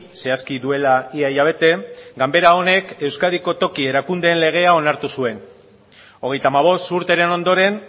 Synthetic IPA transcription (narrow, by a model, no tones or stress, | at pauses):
se̞askiðue̞laiajaβ̞e̞t̪e̞ɡambe̞ɾao̞ne̞ke̞wskaðiko̞t̪o̞kie̞ɾakund̪e̞ːnle̞ɣ̞e̞ao̞naɾt̪usue̞n | o̞ɣ̞e̞jt̪amaβ̞o̞st̪uɾt̪e̞ɾe̞no̞nd̪o̞ɾe̞n